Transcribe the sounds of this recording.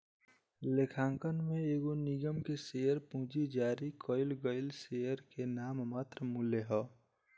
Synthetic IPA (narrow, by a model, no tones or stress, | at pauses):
lekʰãːŋkənmẽeːɡonɪɡəmkeseːjəɾpũːd͡ʒid͡ʒaːɾikʰɔːɪlɡəɪlsejəɾkenaːmmaːt̪ɾəmuleɦɔː